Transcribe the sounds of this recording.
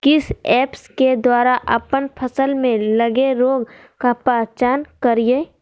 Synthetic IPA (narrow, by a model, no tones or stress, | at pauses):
kɪsɛːpsked̪waːɾaʔɐ̰pənpʰəsəlmẽləɡeɾoːɡ | kapaːt͡ʃaːnkəɾijeː